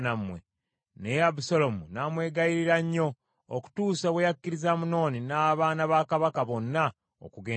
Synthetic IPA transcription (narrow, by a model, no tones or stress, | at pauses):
namwe̞̰ | nejabusolo̞munamwe̞ːɡaiɾiɾaɲːo̞ː | ku̥tuːsoβwejakːiɾizamuno̞ːninaːβaːnaβaːkaβakaβo̞nːa | o̰kuɡeː